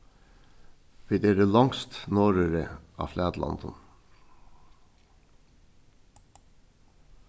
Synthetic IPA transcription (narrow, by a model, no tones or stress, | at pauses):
ʋed̪eːɾəlɑŋst̪noːɾəɾəʔɑ̰ːflæːd̪lɑ̰nd̪ə̰n